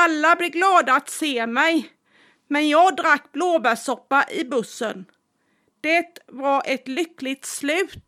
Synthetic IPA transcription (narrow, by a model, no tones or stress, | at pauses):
alːablɪɡlɑːd̪aat̪seːmɛj | mɛnjɑːɡd̪ɾakːbloːbæʂɔpːaʔɪbɵsːə̰n | d̪̥ɛt̪vaɾʔɛt̪lʏklɪɡ̚t̪slʉ̟ːt̪